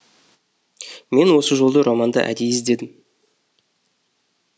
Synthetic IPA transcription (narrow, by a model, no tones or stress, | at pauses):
me̞nwo̞səʒo̞lˠd̪əɾʔɑmɑnd̪ə̰ʔæ̰d̪ejɪzd̪e̞d̪ɪm